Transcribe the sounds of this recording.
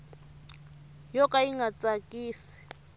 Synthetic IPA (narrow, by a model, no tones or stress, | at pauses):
jɔkʼaiŋɡat͡sʼakʼiːsi̥